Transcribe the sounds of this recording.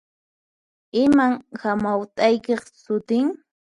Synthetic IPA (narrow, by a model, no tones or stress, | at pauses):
ɪmaŋhamawt̪ʼajkeχsʊt̪ɪŋ